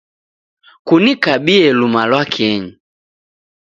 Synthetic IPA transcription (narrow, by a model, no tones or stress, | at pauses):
kunikabiɛlumalwakʰɛɲi